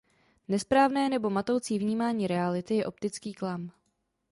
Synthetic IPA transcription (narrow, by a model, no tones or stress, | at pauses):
nɛspɾaːvnɛːnɛbo̞mat̪o̞wt͡siːvɲiːmaːɲiːɾɛalɪt̪ɪjɛʔo̞p̚t̪ɪt͡skiːklam